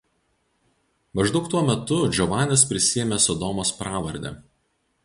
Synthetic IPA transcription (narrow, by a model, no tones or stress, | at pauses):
mɐʒd̪ɒʊk̚t̪uɔmʲɛt̪ʊd͡ʒʲɔʋɑːnʲɛspʲɾʲɪsʲɪjɛmʲɛsɔd̪ɔmoːspɾɑːʋɐɾʲd̪ʲɛ̰